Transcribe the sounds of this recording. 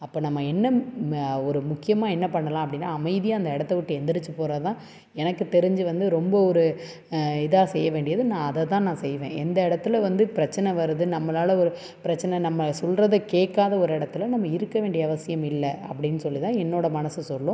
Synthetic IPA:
ɐpːoːnɐmːɐɛnːɐ | ɔɾɯmʊkːɪjɐmaːɛnːɐpɐɳːɐlãːɐpːɐɽɪnːaːɐmɐɪðɪjaɐnd̪ɐɪɽɐt̪ːɛʋɪʈːɯɛnd̪ɪɽɯt͡ʃːɯpoːɾat̪ãː | ɛnɐkːɯt̪ɛɾɯɲd͡ʒɯʋɐnd̪ɯɾɔmbɐɔɾɯ | ɪðaːsɛjːɐʋeːɳɖɪjɐðɯnãːɐðɐt̪ãːnãːsɛjʋḛ̃ːɛnd̪ɐɪɽɐt̪ːɯlʋɐnd̪ɯpɪɾɐt͡ʃːɐnɛʋɐɾɯðɯnɐmːɐlaːlɐɔɾɯ | pɪɾɐt͡ʃːɐnɛnɐmːɐsɔlrɐðɯkeːkːaːðɐɔɾɯɪɽɐt̪ːɯlɐnɐmːɐɪɾɯkːɐʋeːɳɖɪjɐɐʋɐsɪjɐmɪlːɐɐ̰pːɐɽɪnːɯsɔlːit̪ãːɛnːoːɽɐmɐnɐsɯsɔlːʊ̃

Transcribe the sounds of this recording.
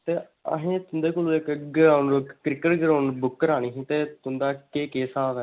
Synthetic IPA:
t̪eː | ə̰ɦẽːt̪ʊnd̪eːkʊluːekɡəɾaːʊnokkːɾɪkəʈɡəɾaːnbʊkːəɾaːñiːɦĩːt̪eːt̪ʊnd̪aːkeːkeːsaːʋɛː

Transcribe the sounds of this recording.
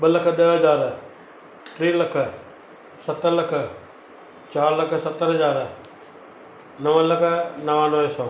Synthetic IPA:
ɓəlɐkʰə̆ɗəɦɐzaːɾ | ʈɾiːlɐkʰə̆ | sɐt̪əɾlɐkʰə | t͡ɕaːɾlɐkʰə̆sɐt̪ːəɾɦəzaːɾ | nɐʋəlɐkʰə̆nɐʋãnoɛ̃soː

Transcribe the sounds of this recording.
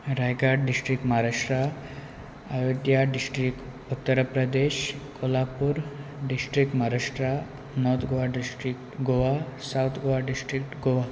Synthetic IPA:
ɾajɡaɖɖisʈɾik̚ʈmaɦaɾaʂʈɾa | ajoɡjaɖisʈɾik | ut̪ːəɾpɾəd̪eɕkʰolapuɾɖisʈɾik̚ʈmaɦaɾaʂʈɾa | nɔt̪ʰɡoʋaɖisʈɾikʈɡoʋasawt̪ʰɡoʋaɖisʈɾikʈɡoʋa

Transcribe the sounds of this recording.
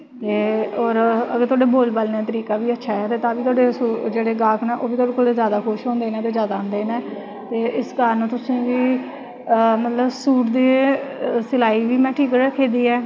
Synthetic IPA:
t̪eːoːɾəɡəɾt̪ʊaːɖeːboːlbəlneːt̪əɾiːkaːʋiːətːʃʰaːɦɛːt̪eːt̪ãːʋiːt̪oaːɖeːsud͡ʒeːɽeːɡaːkʰnãːʔoːbiːt̪oaːɽekoːld̪eːzjaːd̪aːkʰʊʃɦõːnd̪eːnẽːt̪eːzjaːd̪aːʊ̃nd̪eːneː | t̪eːʔɪskəɾənt̪ʊsĩːʋiː | mət̪ləbsuːʈd̪eː | səlaːiːʋiːmɛ̃ːʈʰiːkɾəkʰeːd̪iːɛː

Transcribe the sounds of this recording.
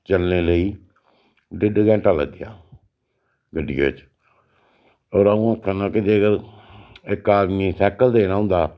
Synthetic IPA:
t͡ʃəlneːləiː | ɖɪɖɡɛ̃ːʈaːlə̰ɡd̪ɪja̰ː | ɡəɖijo̰ːt͡ʃ | oːɾaũːkʰːanãːkɪd͡ʒ̪eːɡəɾ | ɪkːaːd̪miːsɛːkəld̪eːnaːɦʊ̃nd̪aː

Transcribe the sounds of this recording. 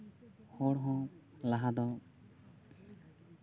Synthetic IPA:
hɔɽɦɔ̃laɦad̪ɔ

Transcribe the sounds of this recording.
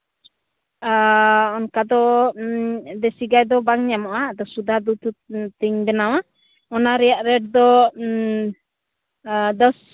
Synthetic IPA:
aɔnkad̪ɔ | d̪ɛsiɡajd̪ɔbaŋɲamɔʔad̪ɔsud̪ad̪ut̪ut̪iŋbɛnawa | ɔnaɾijaʔɾɛd̚d̪ɔ | d̪ɔs

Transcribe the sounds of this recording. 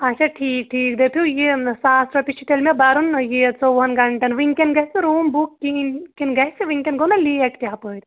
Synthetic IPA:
ɐt͡ʃʰaʈʰiːk̚ʈʰiːkd̪et̪ʰujesaːsɾɐpit͡ʃʰiʈ̪elmebɐɾunjet͡soʋɐnɡɐɳʈɐnʋiŋkenɡɐɦsiɾuːmbukːinkinɡɐɦsiʋiŋkenɡonɐliɐkt̪ʲjaɦpəːit̪

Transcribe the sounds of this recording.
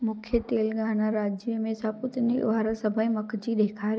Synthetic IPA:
mʊkʰjət̪eːlɡʱaːnaɾaːd͡ʑjəmẽsãpʊt̪nḭʋaːɾasɐbʱəimɐkʰd͡ʑiːɗ̪eːkʰaːɾ

